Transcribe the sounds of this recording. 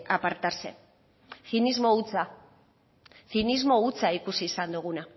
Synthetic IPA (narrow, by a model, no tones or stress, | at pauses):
apaɾt̪ase̞̰n | θinizmo̞ut͡sa | θinizmo̞ut͡saikusiːsand̪uɣ̞una